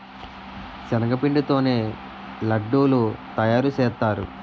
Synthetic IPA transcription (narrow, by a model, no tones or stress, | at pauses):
t͡ʃɐnɐɡɐpiɳɖut̪o̞ːne̞ː | lɐɖːuːlut̪ɐjaːɾut͡ʃɛːt̪ːaːɾṵ